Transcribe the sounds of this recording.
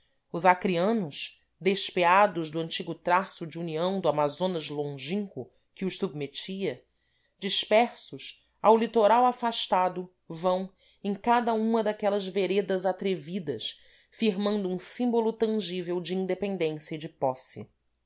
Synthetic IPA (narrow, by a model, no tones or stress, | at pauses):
ʊzakɾiɐ̃nʊʃ | d̪eʃpead̪ʊzd̪ʊɐ̃nt͡ʃiɡʊt̪ɾasʊd͡ʒiuniɐ̃w̃d̪ʊamazõnɐzlõʒĩŋkʊ | kɪʊʃsub̚met͡ʃiɐ | d͡ʒiʃpɛɾsʊʃ | awlit̪oɾawafaʃt̪ad̪ʊ | vɐ̃w̃ | ẽj̃kad̪ɐũmɐd̪akɛlɐzveɾed̪ɐzat̪ɾevid̪ɐʃs | fiɾmɐ̃nd̪ʊũsĩmbolʊt̪ɐ̃ŋʒivewd͡ʒɪĩnd̪epẽnd̪ẽsjɐid͡ʒɪpɔsɪ̰